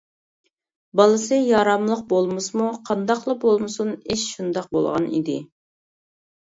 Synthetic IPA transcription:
bɑlˠɨsɨjɑɾɑmlˠəq̚bolˠmɨsmuqʰɑnd̪ɑqlˠɑbolˠmɨsuneʃʃund̪ɑq̚bo̰lˠʁɑ̰nḭd̪ɪ

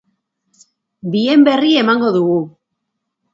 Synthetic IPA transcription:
bie̞mbe̞rie̞maŋɡo̞ðuɣu

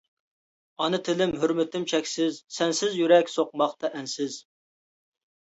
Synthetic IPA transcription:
ɑnɨt̪ʰɪlɪmɦøɾmɪt̪ʰɪmt͡ʃʰɛkʲsɪzsɛnsɪzjyɾɛkʲsoqmɑχt̪ɑʔɛnsɪz̥

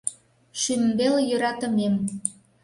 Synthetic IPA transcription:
ʃymbeljøɾɑt̪ə̆mem

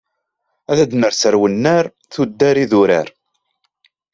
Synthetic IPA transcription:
æðæd̪nəɾsəɾwənːəɾ | θud̪ːæɾiðuɾa̰ɾ

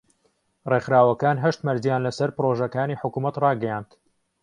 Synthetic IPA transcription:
rexɾaːwɐkaːnɦɐʃt̪mɐɾzijaːnlɐsɐɾpɨɾoːʒɐkaːniːħʊkuːmɐt̪rɑːɡɐjaːnd̪̥

